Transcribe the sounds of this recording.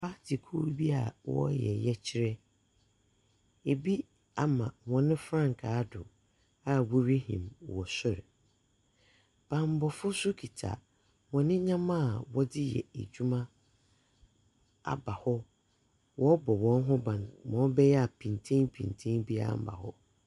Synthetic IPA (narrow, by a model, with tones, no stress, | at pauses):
pa˦tʰɪ˨kʰu˦ɾbi˦a̰˨wɔ̰˦jɛ̰˨jɛ˦t͡ɕʰɪ˦ɾɛ˦ | e˨bi˦ | a˦mã˨wɔ̃˨nɪ̃˦fɾã˦˨ŋ˨kʰa˨˦dʊ˨ | a˦wu˦ɾi˦hĩ˨mwɔ˨sʊ˦ɾ | b̥ã˨m˨bɔ˨fʊ˦sʊ˦kʰi˨tʰa̰˨ | wɔ̃˨nɪ̃˦ɲã˦mã˦˨wɔ˦dɪ˦jɛ̰˨ḛ˨d͡ʑᶣu˦mã˦ | a̰˨ba˨hɔ˦ | wɔ˦bɔ˨wɔ̃˦n˦ɦʊ̃˦bã˨nwɔ̃˨˦bɛ˦jɛ˦a˨pʰĩ˨ntʰẽ˦ŋpʰĩ˨n˨tʰẽ˦nbi˦a̰˦˨m̩˦ba̰˨hɔ˦